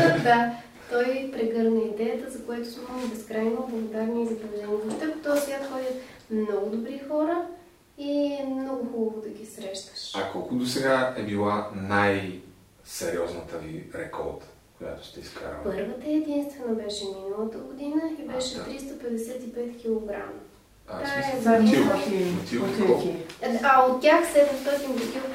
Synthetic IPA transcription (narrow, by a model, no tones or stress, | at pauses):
d̪a | t̪ɔjpɾɛɡɤɾnəid̪ɛjət̪əzɐkojɛt̪osumobɛskɾajnoblˠəɡod̪aɾniizɐbɐʒɛnit̪ot̪əkt̪ɔsʲat̪xɔd̪ʲət̪ | mnɔɡʊd̪obɾixɔɾə | iɛmnɔɡʊxubəvod̪ɐɡʲisɾɛʃt̪ə̥ʃakɔlˠkʊd̪osɛɡaɛbilˠanaj | sɛɾiɔznət̪əviɾɛkʰɔ̰ɾt̪ | koja̰t̪o̥ʃt̪ɛiska̰ɾ̰pɤɾvət̪əɛd̪inst̪vɛnɐbɛʃɛminəlˠət̪əɡod̪inəibɛʃɛt̪ɾist̪ɐpɛd̪ɛsɛt̪ipɛt̪kʲilˠoɡɾa̰m | aaɛzɐiiot̪ivot̪oiaot̪̚tːʲjaxsɛd̪mst̪ɔt̪inp̪ɐk̪iv